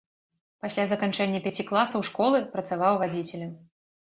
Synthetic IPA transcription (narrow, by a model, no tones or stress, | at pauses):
pasʲlʲazɐkant͡ʂɛnʲːɐpʲat͡sʲiklˠasɐwʂkɔlˠɨpɾɐt̪savawvad͡zʲit͡sʲɛlʲɐ